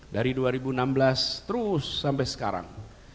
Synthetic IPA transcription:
daɾiduaɾibunamblast̪əɾusːampajsə̥kaɾa̰ŋ

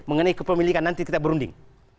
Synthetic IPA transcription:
məŋənaikəpəmilikanːant̪ikit̪abəɾundɪ̰ŋ

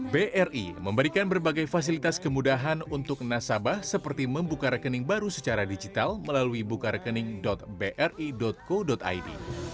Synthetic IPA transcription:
beʔɛrʔḭməmbəɾikanbərbaɡajfas̬ilit̪askəmudaɦanunt̪ʊk̚nasabahsəpərt̪iməmbukaɾəkənɪŋbaɾusət͡ʃaɾadid͡ʒit̪alməlaluibukaɾəkənɪŋdɔt̪̚beʔɛrʔidɔt̪̚kodɔt̪a̰jdḭ

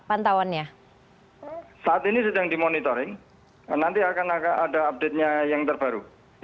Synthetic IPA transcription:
pant̪awanɲa | saːt̪inisədaŋdimonit̪ɔɾɪŋ | nant̪iakanakaadaːp̚d̥et̪̚ɲajaŋt̪ərb̥a̤ɾu

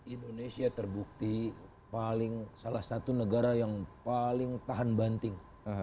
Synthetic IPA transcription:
indonesiat̪ərbuk̚t̪i | palɪŋsalahsat̪unəɡaɾajaŋpalɪŋt̪aɦanbant̪ɪŋ

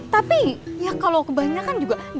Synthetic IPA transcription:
t̪apijakalokəbaɲakand͡ʒuɡad

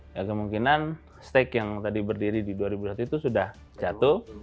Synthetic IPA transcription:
jakəmuŋkinan | st̪ɛkjaŋt̪adibərdiɾididuaɾibusat̪uit̪usudah | t͡ʃat̪u

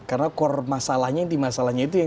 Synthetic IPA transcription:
karnakɔrmasalahɲaŋd̪imasalahɲait̪uja

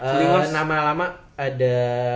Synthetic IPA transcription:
əiŋɔnamalamaː | da

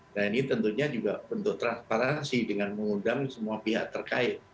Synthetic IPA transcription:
nanit̪ənt̪uɲad͡ʒuɡabənt̪ʊk̚t̪ɾanspaɾansidəŋanməŋundaŋsəmuapiɦaʔt̪ərkaɪt̪̚

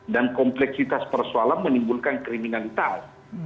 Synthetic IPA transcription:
dankɔmplɛksit̪aspərsualanmənimbulkankɾiminalit̪as

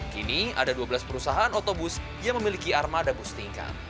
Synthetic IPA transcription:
kinia̰daduabəlaspəɾusaɦaːnot̪obʊs | jaŋməmilikiarmadabust̪iŋka̰

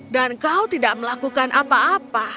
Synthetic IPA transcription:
dankawt̪idaʔməlakukanʔapaːpa

